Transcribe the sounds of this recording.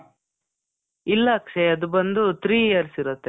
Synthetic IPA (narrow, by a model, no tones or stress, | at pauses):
ilːaːkʂeɐd̪ubɐnd̪ut̪ɾiːjɐɾsiɾut̪ːe